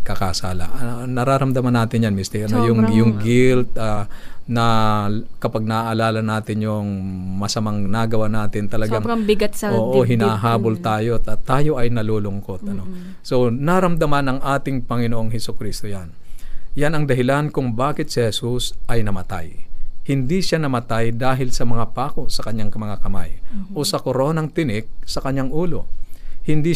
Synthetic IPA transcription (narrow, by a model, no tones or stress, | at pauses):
kɐkasaːlɐ̰ʔɐnɐɾaːɾɐmd̪ɐmɐnːaːt̪ɪnjanmɪst̪ɪʔɐnojʊŋjʊŋɡɪlt̪̚ɐnɐ | kɐpaɡ̚nɐaʔɐlaːlɐnaːt̪ɪnjʊŋ | mɐsɐmaŋnaɡɐwanaːt̪ɪnt̪ɐlɐɡaŋɐbɪɡɐt̪sɐoːʔɦɪnaːɦaːbo̞lt̪aːjo̞ɐt̪ːaːjo̞ʔɐjnɐloːlʊŋko̞t̪ʔɐno̞ | so̞nɐɾɐmd̪ɐmanɐŋʔaːt̪ɪŋpɐŋɪnoʔo̞ŋhɛsʊkɾist̪ojanjanɐŋd̪ɐɦɪlankʊŋbaːkɪt̪̚sɛhɛsusʔɐjnɐmɐt̪a̰jhɪnd̪iʃanɐmɐt̪ajd̪aːɦɪlsɐmɐŋapaːko̞sɐkɐɲːaŋmɐŋakɐma̰jʔo̞sɐkoɾo̞ːnɐŋt̪ɪnɪk̚sɐkɐɲːaŋʔuːlo̞̰hɪnd̪i